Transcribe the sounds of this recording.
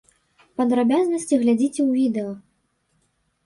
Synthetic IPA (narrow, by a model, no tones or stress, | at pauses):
pɐd̪ɾabʲaznɐsʲt͡sʲiɣlʲad͡zʲit͡sʲɛwvʲid̪ɛɐ